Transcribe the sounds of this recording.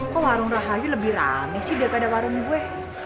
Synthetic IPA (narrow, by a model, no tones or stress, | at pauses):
kɔwaɾʊŋraɦajuləbihra̰mɛsihdiakadawaɾʊŋɡuɛ